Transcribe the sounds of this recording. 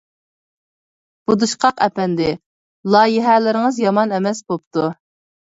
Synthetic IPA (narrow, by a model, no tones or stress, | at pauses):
b̥ud̪uʃqʰɑqɛpɛnd̪ɪ | lˠɑːjɪɦɛlɪɾɪŋəzjɑmɑnɛmɛsbop̚t̪ʰu